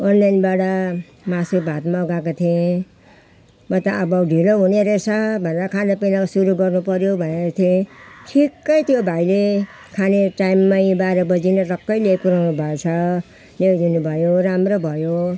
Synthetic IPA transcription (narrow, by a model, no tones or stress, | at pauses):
ʌnlajnbaɽʌ | masubʱat̪maːɡak̬ot̪ʰiẽ | mʌt̪aʌbʌɖʱiloɦuneɾesʰʌbʱʌneɾʌkʰanepelasuɾuɡʌrnupʌɾjobʱʌnet̪ʰiẽʈʰikːʌjt̪jobʱajle | kʰaneʈajmːajbaɾʌbʌd͡zinʌɾʌkːʌjlepuɾawnubʱʌet͡sʰʌ | lewd̪inubʱʌjoɾamɾobʱʌjo